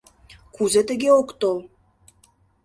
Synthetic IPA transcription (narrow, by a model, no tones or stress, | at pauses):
kuzet̪ə̆ɣeokt̪ol